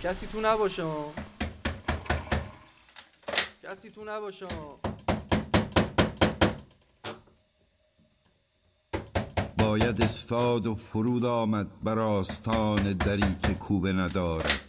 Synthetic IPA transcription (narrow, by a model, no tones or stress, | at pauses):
cʰæsiːt̪ʰunæbɒːʃemɒː | cʰæsiːt̪ʰunæbɒːʃeɒː | bɒːjæd̪est̪ɒːd̪ofoɾuːd̪ɒːmæd̪̚bæɾɒːst̪ʰɒːne̞d̪æɾiːkʰe̞kʰuːbe̞næd̪ɒːɾæ̰d̪̥